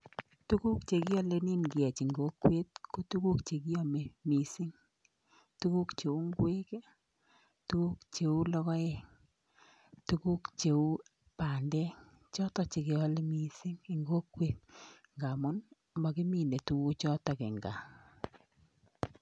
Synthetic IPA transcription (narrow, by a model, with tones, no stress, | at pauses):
tu˦ku˦kt͡ʃe˨ki˦ɔ˦le˦ni˦nɡɪ˨ɛ˨t͡ʃi˨ŋɡo˦kwe˦t̚ku˦tu˦ku˦kt͡ʃe˨ki˦o˦me˨mi˨si˦ŋ | tu˦ku˦kt͡ʃe˨u˦ŋɡwe˦ke˦ | tu˦ku˦kt͡ʃe˨u˦lɔ˦kɔ˦ɛ˦ | tu˦ku˦kt͡ʃe˨u˦ | pa˨ndɛ˦ | t͡ʃɔ˦tɔ˨t͡ʃe˨ke˨ɔ˦le˦mi˦si˦ŋi˨ŋɡo˦kwe˦t̚ŋɡa˨mʊ˦n˨ | mbɔ˨ki˦mi˦˨ne˨tu˦ku˦t͡ʃɔ˦tɔ˨kɪ̰˨ŋɡa˨